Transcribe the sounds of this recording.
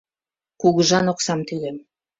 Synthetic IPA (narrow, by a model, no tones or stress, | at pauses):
kuɣəʒɑnoksɑmt̪ylem